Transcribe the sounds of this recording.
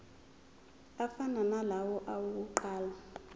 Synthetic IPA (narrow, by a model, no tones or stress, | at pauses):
afananalawɔʔawuk̬uǃaːla